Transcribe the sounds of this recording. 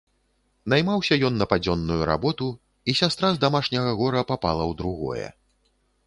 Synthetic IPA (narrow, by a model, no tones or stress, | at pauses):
najmawsʲɐjɔnːɐpad͡zʲɔnːujuɾa̰bɔt̪u | isʲast̪ɾazd̪amaʂnʲɐɣɐɣɔɾɐpapa̰lˠɐwd̪ɾuɣɔ̰jɛ̰